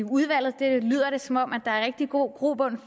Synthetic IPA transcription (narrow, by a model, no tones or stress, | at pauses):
uð̞ˠʋæl̰ð̞̩ˠd̥e̝ly̰ð̞̰ˠɐɾ̥e̝sɒ̽mɒ̽m̰æd̥ɑ̈æɐʁɛɡ̥̚d̥iɡ̥o̝̰ɡ̥ʁo̝̰ːb̥ɔ̽n̰f